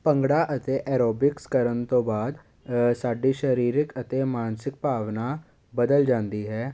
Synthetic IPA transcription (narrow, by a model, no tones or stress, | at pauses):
pə̃ŋɡɽaːʔət̪eʔɛːɾoːbɪkskəɾənt̪õːbaːd̪ | saːɖiːʃəɾiːɾɪkət̪eːmaːnsɪk̚paːʋnaː | bəd̪əld͡ʒãːnd̪iːɦɛː